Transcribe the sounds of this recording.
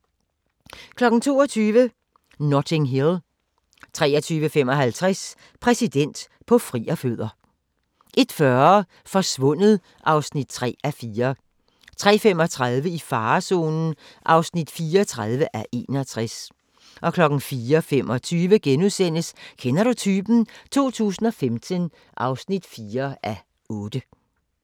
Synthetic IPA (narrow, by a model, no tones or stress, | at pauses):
kʰlɒ̽ɡ̥n̩t͡sʰo̝̰ːɒt͡sʰyːʋə | nɒt͡sʰe̝ŋɦil | t͡sʰʁɛ̰ːɐt͡sʰyːʋəfem̰ɒ̽ɦælt͡sʰʁas | pʰʁɛsid̥en̰d̥ | pʰɒ̽fʁiːɐføð̰ˠɐ | ʔe̝d̥fɶɐ | fɒ̽sʋɔ̽n̰əð̩ˠ | ʔɑ̈ʊsnid̥̚t͡sʰʁɛ̰ːæfiːɐ | t͡sʰʁɛ̰ːfem̰ɒ̽t͡sʰʁaðˠʋəifɑ̈ːso̝̰ːnn̩ | ʔɑ̈ʊsnid̥fiːɐt͡sʰʁað̞ˠʋəʔæʔe̝̰ːnɒt͡sʰʁas | ʔɒ̽kʰlɒ̽ɡ̥n̩fiːɐfemɒ̽t͡sʰyːʋəɡ̥enuðˠsen̰əskʰenɐɾ̥ut͡sʰyːb̥n̩t͡sʰo̝̰ːt͡sʰṵːsn̩ɒ̽femt͡sʰən | ʔɑ̈ʊsnid̥fiːɐʔæ | ɔ̽ːd̥ə